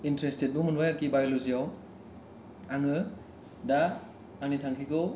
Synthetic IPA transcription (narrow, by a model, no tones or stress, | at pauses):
intɾestet̚bumunbajaɾkibajluzijaw | aŋɯ | da | anitʰaŋkʰikɯw